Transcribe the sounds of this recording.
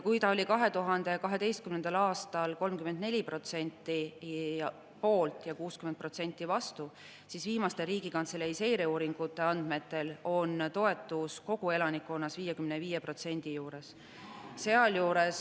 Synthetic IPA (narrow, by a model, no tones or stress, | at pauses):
kujt̪ɑo̞lʲikɑɦe̞t̪uɦɑnd̪̥e̞kɑɦe̞t̪e̞jst̪̚kymnend̪̥ɑlɑːst̪ɑlko̞lmkymend̪nelʲipro̞t̪se̞nʲt̪ːˑi | po̞ːlt̪ˑjɑkuːskymenpro̞t̪se̞nʲt̪ˑːivɑst̪u | sisviːmɑst̪e̞ɾiːɡ̥ikɑnt̪seleise̞jɾeuːɾiŋɡ̥ut̪ːˑe̞ɑnd̪̥me̞t̪ːˑe̞lo̞nt̪o̞e̞t̪ːˑusko̞ɡ̥ue̞lɑnikːˑonːɑsviːjekymneviːjepro̞t̪se̞nd̪̥ijuːɾe̞s | se̞ɑljuːɾe̞s